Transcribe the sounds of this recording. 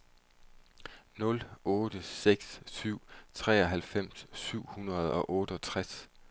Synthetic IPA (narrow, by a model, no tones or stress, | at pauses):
nɔ̽lɔ̽ːd̥əseɡ̥ssyʊ̰t͡sʰʁɛ̰ːɒ̽ɦælfem̰sːyʊ̰hunɐð̞̩ˠɒ̽ʔɔ̽ːɾ̥əɒ̽t͡sʰʁas